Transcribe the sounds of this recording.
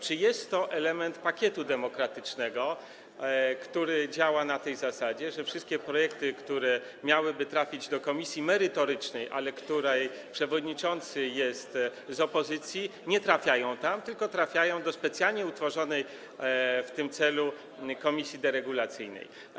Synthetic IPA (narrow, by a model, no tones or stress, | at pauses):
t͡ʂɘjɛst̪ːɔʔɛlɛmɛnt̪pakʲɛt̪ud̪ɛmɔkɾat̪ɘt͡ʂnɛɡɔ | kt̪uɾɘd͡ʑawanat̪ɛjzasad͡ʑɛʐɛfʂɘst̪kʲɛpɾɔjɛkt̪ɘkt̪uɾɛ | mʲjawɘbɘt̪ɾafʲid͡ʑd̪ɔkɔmʲisʲjimɛɾɘt̪ɔɾɘt͡ʂnɛjʔa̰lɛkt̪uɾɛj | pʂɛvɔd̪ɲit͡ʂɔnt̪sɘjɛst̪zɔpɔzɘt̪sʲjiɲɛt̪ɾafʲjajɔ̃w̃t̪amt̪ɘlkɔt̪ɾafʲjajɔ̃w̃d̪ɔspɛt̪sjalɲɛut̪fɔʐɔnɛj | ft̪ɘmt̪sɛlu | kɔmʲisʲjid̪ɛɾɛɡulat̪sɘjnɛ̰j